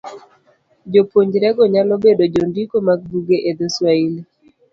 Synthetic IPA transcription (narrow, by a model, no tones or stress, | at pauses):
d͡ʒopoɲd͡ʒɾɛɡɔɲalɔbedod͡ʒondikomaɡ̚buɡeʔed̪eswaili